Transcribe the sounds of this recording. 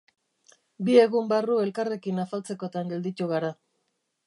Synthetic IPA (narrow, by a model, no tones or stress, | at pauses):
bie̞ɣumbarue̞lkare̞kinafalt͡se̞ko̞t̪aŋɡe̞ld̪it̪uɣ̞aɾa